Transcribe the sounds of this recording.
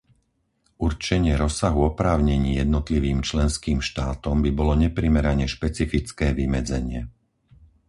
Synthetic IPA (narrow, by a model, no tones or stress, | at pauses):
ʔuɾt͡ʃɛɲɪɛɾɔsaɦuɔpɾaːʊɲɛɲiːjɛd̪nɔt̪liʋiːmt͡ʃlɛnskiːmʃt̪aːt̪ɔmbibɔlɔɲɛpɾimɛɾaɲɛʃpɛt͡sifit͡skɛːʋimɛd͡zɛɲɪɛ